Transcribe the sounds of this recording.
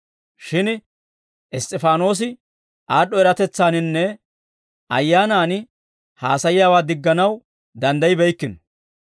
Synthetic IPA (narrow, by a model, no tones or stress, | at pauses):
ʃɪn | ɛst̪ʼːɛfaːno̞ːs̬ɪ | ʔaːɗːɔɛɾɐt̪ɛt͡sːaːnɪnːɛ | ʔɐ̰jːaːnaːnɪ | haːsɐjɪjaːwaːd̪ɪɡːɐnɐw | d̪ɐnd̪ɐjɪbɛjkːɪn